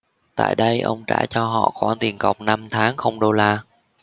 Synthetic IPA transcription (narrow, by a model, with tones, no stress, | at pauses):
t̪a̰ː˧˨jɗə˧jʔə̰˧wŋ͡mt͡ɕa̰ː˧˩t͡ɕɔ˧ɦɔ̰˧˨xwaː˧˩nt̪i˨˩ənkə˨˩wk͡p̚na˧mt̪ʰaː˨˦ŋxə˧wŋ͡mɗo˧laː˧